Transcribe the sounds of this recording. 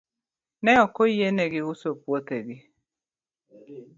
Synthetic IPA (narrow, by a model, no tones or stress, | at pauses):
nɛɔkoijeneɡiusopwot̪eɡi